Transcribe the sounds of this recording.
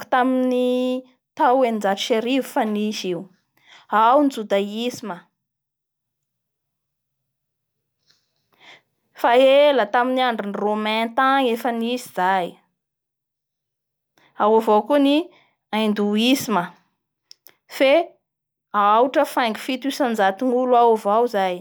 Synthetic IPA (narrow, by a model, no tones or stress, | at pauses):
ku̥t̪amini | t̪awenind͡zaʈ͡ʂi̥ʃeɾivufaniziw | awnd͡zud̪aisimə | faeelət̪aminiaɳɖ͡ʐinromɛ̃t̪aŋefəniziz̥aj | awovowkuni | aind̪uisimə | fe | awʈ͡ʂəfajŋɡi̥fit̪isand͡zat̪iŋuluaovawzaj